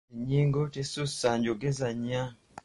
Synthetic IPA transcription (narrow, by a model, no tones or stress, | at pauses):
iɲiːŋɡotesusaɲɟoɡezaɲa